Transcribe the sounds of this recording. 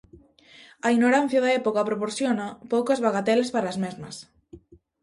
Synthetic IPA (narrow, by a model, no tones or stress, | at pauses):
ɐinoɾan̟θjaðɐɛpokapɾopoɾsjonapowkozβaɣat̪ɛlespaɾaːzmezmɐs